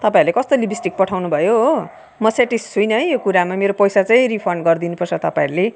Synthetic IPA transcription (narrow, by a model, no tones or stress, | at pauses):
t̪ʌpãiɾulekʌst̪olibʱisʈik̚pʌʈʰawnubʱʌjoɦo | mʌseʈissujnʌɦjokuɾamameɾopʌjsat͡saĩripʰʌrɳɖɡʌrd̪inupʌrt͡sʰʌt̪ʌpaĩɾule